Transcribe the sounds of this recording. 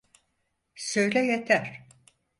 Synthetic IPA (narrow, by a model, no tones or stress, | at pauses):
søjlʲɛjet̪ʰæɾ̥